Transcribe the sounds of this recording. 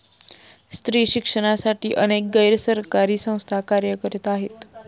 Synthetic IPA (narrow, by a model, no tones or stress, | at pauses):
st̪ɾiːɕikʂəɽ̃asaʈiːʔənek̚ɡəjɾəsəɾkaɾiːsə̃w̃st̪ʰakaɾjəkəɾet̪aɦet̪